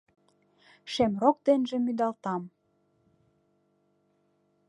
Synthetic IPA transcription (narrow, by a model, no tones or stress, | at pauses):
ʃemrok̚d̪enʒĕmyd̪ɑlt̪ɑm